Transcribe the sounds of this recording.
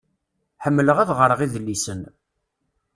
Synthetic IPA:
ħəmːələʁæðʁəɾəʁiðəlːisən

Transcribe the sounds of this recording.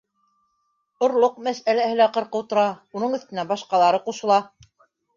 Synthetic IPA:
ŏɾlˠoq̚mæsælæhɘlæqɤ̆ɾqɤwt̪ŏɾɑunɤɴɵ̆θt̪ɘ̆næbɑʃqɑlˠɑɾɤquʃɤ̆lˠɑ

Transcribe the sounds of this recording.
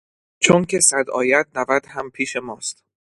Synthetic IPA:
t͡ʃʰoncʰe̞sæd̪ɒ̰ːjæd̪̚nævæd̪̥hæmpʰiːʃe̞mɒːst̪

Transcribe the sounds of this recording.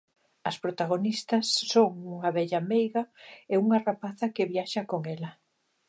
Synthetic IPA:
ɐspɾot̪aɣ̞onist̪ɐsːoŋuŋɐβɛʎamɛjɣɐeuŋɐrapaθɐkeβjaʃɐkoŋɛlɐ

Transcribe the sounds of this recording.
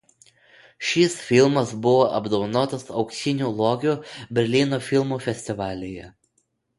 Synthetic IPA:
ʃʲisfʲɪlˠmɐsbʊʋoːʔɐbd̪oʋnoːt̪ɐsɒʊksʲɪnʲuːlˠoːɡʲuːbʲɛɾʲlʲɪnoːfʲɪlˠmuːfʲɛsʲt̪ʲɪʋɑːlʲeːjɛ

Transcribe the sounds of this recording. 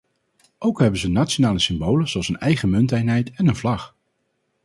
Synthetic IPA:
ʔowkɦɛbənzənaːtt͡ʃonaːləsɪmbowləzowɑlˠsənɛjχəmɵntɛjnɦɛjtɛnənvlɑχ

